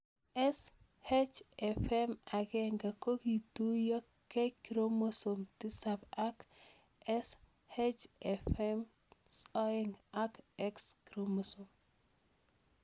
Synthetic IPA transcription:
ɛ˦s | hed͡ʒɛfɛma˨ɡɛŋɡa˨ko˦ɡi˨tu˦jɔ˦ | kːɛ˦kiɾo˦mo˦so˨mti˦saba˦k | ɛ˦s | he˦d͡ʒɛfɛm | sɔ˦ɪŋa˦kɛkskiɾomo˨som

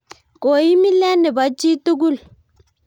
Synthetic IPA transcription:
ko˨i˦mi˦lɛ˦nɛ˨ba˨t͡ʃi˦tu˦k̬u˦l

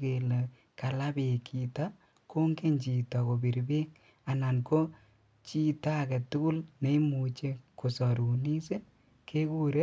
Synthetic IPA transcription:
ke˨le˨ | ka˨la˦be˨kʰi˨ta˦ | kʰo˦ŋɡe˦ɲt͡ʃi˨tɔ˨ko˨bi˨ɾbe˦ŋ | a˨na˨nko˦ | t͡ʃi˦ta˦˨kɛ˨tʊ˦kʊ˦lne˦i˦mu˨t͡ʃe˦ko˨sɔ˨ɾu˨ni˦se˦ | kʰe˦ku˦ɾe˦

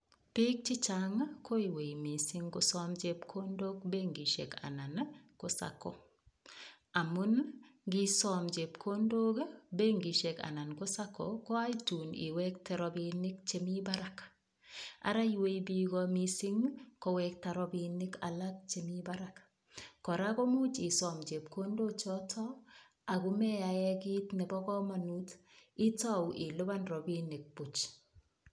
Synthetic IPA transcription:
pi˦k̚t͡ʃi˦t͡ʃaŋkʰo˦i˨we˨jmi˨sɪ˦ŋko˨sɔmd͡ʒe˦pkʰo˦ndo˦ɡ̚be˦ŋɡi˨ʃḛ˨ka̰˨na˨nko˦sa̰kɔ̰˨ | a˨mu˦nɡi˦sɔ˦md͡ʒe˨pkʰo˦ndo˦ɡbe˦ŋɡi˨ʃe˨ka̰˨na˨nko˦sa˦ko̰kɔ˦a˦jtu˨nḭ˨wɛ˦k̚tɛ˦ɾɔ˦binɪ˦k̚t͡ʃe˦mi˦ba˦ɾa˨k | a̰˨ɾa˦jwe˦jbi˦ɣɔmi˦sɪ˦ŋkɔ˨wɛk̚taɾɔbinɪ˦ka̰˨la˦k̚t͡ʃe˨mibaɾak | kːɔ˨ɾa˦kɔ˦mu˦t͡ʃɪ˨sɔ˨mt͡ʃe˨p̚ko˦ndo˦t͡ʃɔ˦tʰɔ˦ | a˨ɣu˦mɛ˦aɛ˦ki˦tnɛ˨bɔ˦kɔ˦ma˨nuti˦ta˦wʔɪ˨lo˦ba˦nɾɔ˨bi˦nɪ˨k̚b̥u˨t͡ʃ

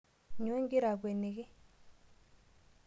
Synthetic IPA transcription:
ɲo˨˦e˦ŋɡɪ˦ɾa˨ɡwe˨ne˨ɣɪ˦

